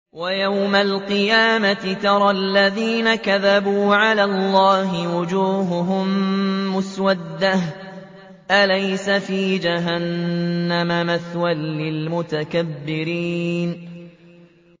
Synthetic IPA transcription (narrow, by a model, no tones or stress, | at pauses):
wajawmalqɨjaːmat̪ɪt̪ɑɾˤɑlːaðiːnakaðabuːʕalaːlːɑːɦɪwʊd͡ʒuːɦʊɦʊmːʊswad̪ːah | ʔalajsafiːd͡ʒaɦanːamamaθwalːɪlmʊt̪akabːɪɾiːn